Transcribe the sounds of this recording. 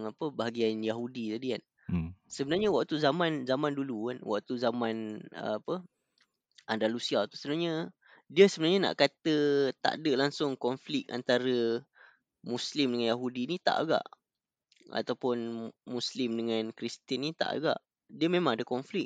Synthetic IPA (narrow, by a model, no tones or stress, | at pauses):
ŋapəbaɦaɡianjaɦudit̪adian | səbənarɲawaʔt̪uzamanzamãndulukanwa̰ʔ̚t̪uzamãnə̰apə | ʔandalusiat̪u̥səbənarɲa | diəsəbənarɲana̰ʔkat̪ət̪a̰ʔdəlaŋsʊŋkɔnflɪk̚a̰nt̪aɾə | muslɪmdəŋanjaɦudinit̪a̰ʔa̰ɡa̰ʔ | a̰t̪awpʊnmuslɪmdəŋankɾist̪ənːit̪a̰ʔa̰ɡa̰ʔ | diəmẽmãŋadakɔnflɪk̚